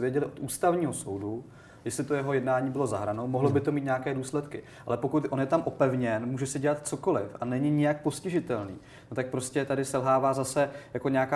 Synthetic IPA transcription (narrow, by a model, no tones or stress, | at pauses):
vjɛɟɛlɪʔot̪ʔuːst̪avɲiːɦo̞sowdu | jɛslɪt̪o̞jɛɦo̞jɛdnaːɲiːbɪlo̞za̰ɦɾano̞moɦlobɪt̪o̞mit̪ɲaakɛːduːslɛt̪kɪ | ʔalɛpo̞kut̪ʔo̞njɛt̪amʔo̞pɛvɲɛnmuːʒɛsɪɟɛlat̪t͡so̞ko̞lɪfʔanɛɲɪɲɪjak̚po̞scɪʒɪt̪ɛlnḭː | not̪ak̚pɾo̞scɛt̪adɪsɛlɦaːvaːzasɛjako̞ɲɛakaː